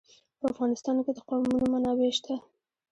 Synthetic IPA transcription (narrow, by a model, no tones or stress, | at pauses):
pəafɣɑnɪst̪ɑnked̪əqɑmunomanɑweʃt̪ʰa